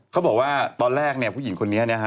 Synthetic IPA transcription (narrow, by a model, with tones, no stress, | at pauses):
kʰa˦˥wbɔː˨˩k̚waː˥˩t̪ɔː˧nɾɛː˥˩k̚ni˥˩ɐpʰuː˥˩ji˩˦nkʰo˧nːi˦˥˧na˦˥kʰa˦˥